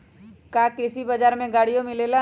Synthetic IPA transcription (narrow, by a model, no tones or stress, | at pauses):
kakesibɐd͡ʒaːɾmẽɡaːɽijõmɪleːla